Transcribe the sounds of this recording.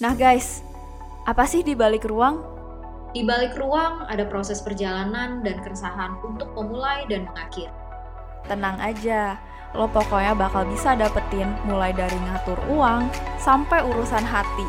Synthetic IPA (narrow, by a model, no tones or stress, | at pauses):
nahɡajs | ʔapasɪhdibalɪkruaŋ | dibalɪkruaŋa̰dapɾosɛspərd͡ʒalanandankəɾəsaɦanunt̪ʊk̚məmulajdanməŋakɪr | t̪ənaŋad͡ʒa | lɔpokɔɲabakalbisadapət̪ɪnmulajdaɾiŋat̪ʊruaŋsampajuɾusanɦat̪i